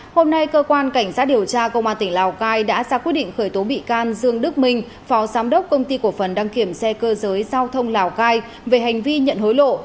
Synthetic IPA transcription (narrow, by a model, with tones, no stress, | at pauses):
ho˧mna˧jkəː˧kwaː˧nka˧˩jŋ̟sa˦˥t̚ɗi˨˩əwt͡ɕaː˧kə˧wŋ͡mʔaː˧nt̪ï˧˩ŋ̟laː˨˩wkaː˧jɗa̰ː˧˥zaː˧kwi˦˥t̚ɗḭ˧˨ŋ̟xəː˧˩jt̪o˨˦ɓḭ˧˨kaː˧nzɨ˧əŋɗɨ˦˥k̚mï˧ŋ̟ | fɔ˨˦zaː˨˦mɗə˦˥wk͡p̚kə˧wŋ͡mt̪i˧ku˧˩əfə˨˩nɗaː˧ŋki˧˩əmsɛ˧kəː˧zəː˨˦jzaː˧wt̪ʰə˧wŋ͡mlaː˨˩wkaː˧j | ve˨˩ɦa˨˩jŋ̟vi˧ɲə̰˧˨nho˨˦jlo̰˧˨